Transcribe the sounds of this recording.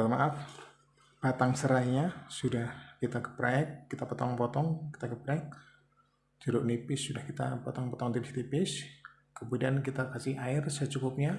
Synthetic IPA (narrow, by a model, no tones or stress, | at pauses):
almaʔaf | pat̪aŋsəɾahɲasudahkit̪akə̥pɾaɛk̚ːit̪apɔt̪ɔŋpɔt̪ɔŋki̥t̪akəpɾaɛk̚ | d͡ʒuɾʊʔnipɪsːudahkit̪a̰pɔt̪ɔŋpɔt̪ɔŋt̪ipɪst̪ipɪs | kəmudiankit̪akasɪhaɪrsət͡ʃukʊp̚ɲa